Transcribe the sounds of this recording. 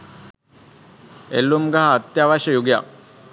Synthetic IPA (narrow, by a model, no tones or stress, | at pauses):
elːumɡaɦaːt̪jaʋaɕəjuɡja̰